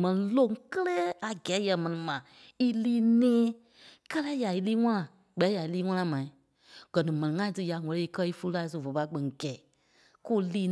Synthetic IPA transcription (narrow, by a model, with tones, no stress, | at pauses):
mɛ̃˨nĩ˨lõ˦˨ŋ˦kə˦lɛː˦a˨ɡɛː˨˦jɛ˨mɛ̃˨nĩ˨mã˨ | i˦liː˦nẽː˦ | kɜ˦lɛ˦ja˨i˧liː˦ŋã˦lã˨ | k͡pɛ˨˦ja˨i˨˦liː˦ŋ̃ʷã˦lã˧˨mã˨ĩ˨˦ | ɡ̥ɜ˨nĩ˨mɛ̃˨nĩ˨ŋã˦ĩ˦tɨ˧ja˨ŋɔ̃˨le˨˦i˦kɜ˦i˦fu˦u˦la˧˦s̬u˧˨vo˨pa˧˦k͡pẽ˨ŋ˨ɡɛ˨ | ku˦liː˦